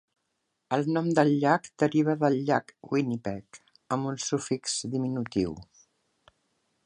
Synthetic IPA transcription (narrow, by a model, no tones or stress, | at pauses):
əlˠnɔmd̪əlʎːakd̪̥əɾiβ̞əðəlʎakwinipɛk | əmbunsufikzd̪iminut̪ḭw